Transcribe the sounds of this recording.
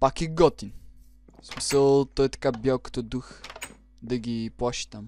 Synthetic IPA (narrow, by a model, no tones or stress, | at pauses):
pakiɡɔt̪in | smisəlˠt̪ɔjɛt̪ɐ̥kabjalˠkə̥t̪ɔd̪ux | d̪ɐɡʲiplˠaʃi̥t̪am